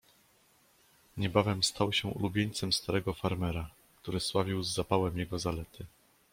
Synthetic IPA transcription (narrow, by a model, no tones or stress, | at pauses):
ɲɛbavɛmst̪ʰawɕɛṵlubʲjeɲt̪sɛmst̪aɾɛɡɔfaɾmɛɾa | kt̪uɾɘswavʲiwzːapawɛmjɛɡɔzalɛt̪ʰɘ